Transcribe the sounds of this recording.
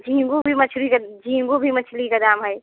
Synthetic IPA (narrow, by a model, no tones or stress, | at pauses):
d͡ʒʱĩːŋɡubʱimɐt͡ʃʰlikd͡ʒʱĩːŋɡubʱimɐt͡ʃʰlikad̪aːmɦəj